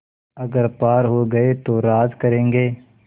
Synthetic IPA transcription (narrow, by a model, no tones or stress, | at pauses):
ɐɡəɾpaːɾɦoɡɐet̪oɾaːzkɐɾẽːŋɡeː